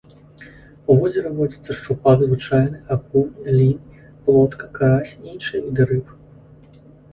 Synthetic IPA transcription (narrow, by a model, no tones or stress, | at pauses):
uvɔzʲɛɾɐvɔd͡zʲit̪sːɐʂt͡ʂupad̪zvɨt͡ʂajnɨakulʲinʲj | plˠɔt̪kɐkaɾasʲiinʂɨjɐvʲid̪ɨɾɨpɨ